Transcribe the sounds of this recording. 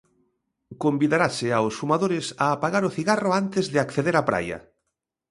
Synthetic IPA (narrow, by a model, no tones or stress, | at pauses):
kombiðaɾasɪawsfumaðoɾɪsaːpaɣaɾʊθiɣarʊant̪ɪzðɪakθeðeɾapɾa̰jɐ̰